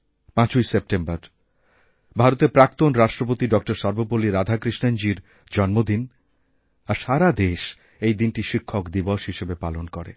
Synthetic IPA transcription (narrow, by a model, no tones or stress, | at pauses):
pãt͡ɕujsep̚ʈembaɾ | bʱaɾot̪eɾpɾak̚t̪onɾaʃʈɾop̬ot̪iɖɔk̚ʈoɾʃɔɾbopoliɾad̪ʱakɾiʃnand͡ʑiɾ | d͡ʑɔnmod̪in | aɾʃaɾad̪eʃ | ejd̪inʈiʃikʰːokd̪ibɔʃɦiʃebepalonkoɾḛ